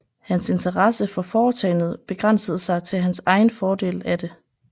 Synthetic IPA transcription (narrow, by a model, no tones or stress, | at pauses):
hænse̝nt͡sʰɐʁɑsəfɒ̽fɒːt͡sʰɛɪnð̞̩ˠb̥e̝ɡ̥ʁɑn̰səð̞̩ˠsɑ̈ɪt͡sʰe̝lɦænsɑ̈ɪn̩fɒːd̥e̝̰ːlæd̥e̝